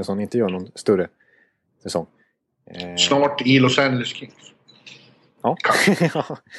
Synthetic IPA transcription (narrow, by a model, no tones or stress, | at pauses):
əsɔnɪnt̪əjœːɳɔnst̪ɵɾə | sɛsɔŋː | snɑːʈilɔsænd͡ʒləskʰɪŋs | ɑːkʰɑ